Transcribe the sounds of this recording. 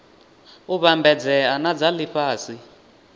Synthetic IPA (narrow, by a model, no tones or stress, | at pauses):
uβambʱɛd͡zɛanad͡zaliɸaːsi